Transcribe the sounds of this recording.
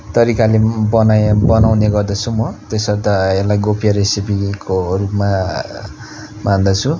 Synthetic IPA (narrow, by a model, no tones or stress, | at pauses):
t̪ʌɾikalebʌnajbʌnawneɡʌrd̪ʌt͡sʰumʌt̪esʌɾt̪ʌelajɡopʰijaɾesipikʰorupma | mand̪ʌt͡sʰu